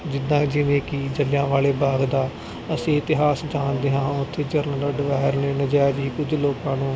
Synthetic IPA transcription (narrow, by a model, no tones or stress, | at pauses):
d͡ʒɪd̪ːãːd͡ʒɪʋẽːkɪd͡ʒəljãːʋaːleːbaːɡd̪aː | əsĩːɪt̪ɪɦaːsd͡ʒaːnd̪eːɦãːʊt̪ʰːeːd͡ʒəɾnələɖʋɛːɾneːnəd͡ʒɛːd͡ʒɦiːkʊd͡ʒloːkãːnũː